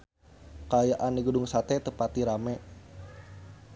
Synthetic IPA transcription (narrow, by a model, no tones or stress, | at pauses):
kajaʔanːiɡədʊŋsat̪ɛt̪əpat̪iɾamɛ